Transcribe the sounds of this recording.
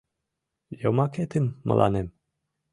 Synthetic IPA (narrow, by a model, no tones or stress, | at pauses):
jomɑket̪ɘnmɤ̰lʔɑ̰nem